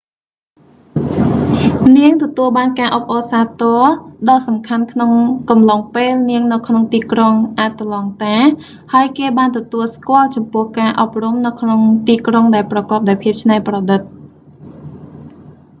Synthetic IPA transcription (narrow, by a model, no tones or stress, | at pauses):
niəŋt̪ɔt̪uəlɓaːnkaːʔɑp̚ʔoːsaːt̪ɔəɗɑːsɑmkʰankʰnoŋkɑmlɑŋpeːlniəŋnɨwkʰnoŋt̪iːkroŋʔaːc̚t̪ːɔlɑːŋt̪aɛ | haəjkeːɓaːnt̪ɔt̪uəlskŏəlt͡ɕɑmpʊ̆əhkaːʔɑp̚rumnɨwkʰnoŋt̪iːkroŋɗaɛlprɑkɑəp̚ɗɑɔjpʰiəp̚t͡ɕʰnaɛprɑɗɨt̪̚